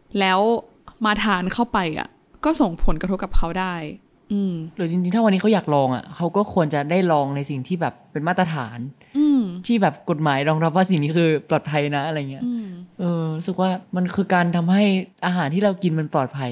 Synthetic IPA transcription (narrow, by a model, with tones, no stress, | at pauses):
lɛː˦˥w | maː˧t̪ʰaː˧˦nkʰa˥˩wpa˧jʔa̰˨˩ | kɔː˥˩so˨˩ŋpʰo˨˩˦nka˧t̪ʰo˦˥p̚ka˨˩p̚kʰa˦˥wdaː˥˩j | ʔɯː˧mdɯː˨˦t͡ɕi˧ŋt͡ɕi˧ŋtʰaː˥˩wa˧nːiː˦˥kʰwjaː˨˩k̚lɔː˧ŋʔa̰˨˩kʰa˦˥wkɔː˥˩kʰu˧ənt͡ɕa˨˩daː˥˩jlɔː˧ŋna˧jsi˨˩ŋt̪ʰiː˥˩bɛː˨˩pːe˧nmaː˥˩ɾa˧t̪ʰa̰ː˩˦n | ʔɯː˧mt̪ʰiː˥˩bɛː˨˩p̚ko˨˩t̪̚maː˩˦jɾɔː˧ŋɾa˦˥p̬̚waː˥˩i˨˩ŋniː˦˥kʰɯː˧plɔː˨˩t̪̚pʰa˧jna˦˥ʔa˧ɾa˧jŋːi˦˥ɐʔɤː˧ɾu˦˥sɯ˨˩k̚waː˥˩ma˧nkʰɯː˧kaː˧nt̪ʰa˧mɦa˥˩jʔaː˧ɦaː˩˦nt̪ʰiː˥˩ɾa˧wki˧nma˧nplɔː˨˩t̪̚pʰa˧j